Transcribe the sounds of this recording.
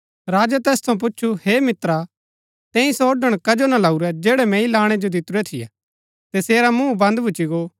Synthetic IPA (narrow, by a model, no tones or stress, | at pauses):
ɾaːd͡ʒat̪ɛːst̪ʰɐ̃ũp̬ʊt͡ʃːt͡ʃʰuheːmɪt̪ɾa | t̪ɛ̃ːĩsɔːɖəɽ̃kɐd͡ʒonalauɾɛd͡ʒɛːɽɛmɛ̃ːĩlaːɽ̃ɛd͡ʒod̪ɪt̪ɾuɾɛt̪ʰɪjɛ̰ | t̪ɛseːɾamũːbɐ̃nd̪bʱʊt͡ʃiɡoː